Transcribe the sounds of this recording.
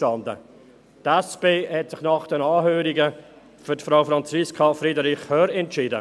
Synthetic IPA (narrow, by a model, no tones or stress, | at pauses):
tɑndə̰ | tɛspeːhɛtsɪχnɑχd̥ɛnɑːɦøːɾiɡə | fʏɾtfɾaʊfɾɑnt͡siskʰɑfɾidɾɪχhœɾɛntt͡ʃɪːdə̰